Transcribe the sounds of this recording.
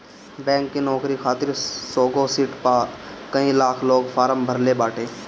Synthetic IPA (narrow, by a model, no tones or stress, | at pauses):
bɛ̃ːŋkːinɔːkɾikʰaːt̪ɪɾsoːɡosiʈpaːkəĩlaːkʰloːɡfʰaːɾəmbʱəɾlebaːʈʰeː